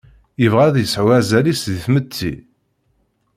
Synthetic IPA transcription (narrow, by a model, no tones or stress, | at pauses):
jəvʁæðjəsʕwæzælisðiθmət͡sːḭ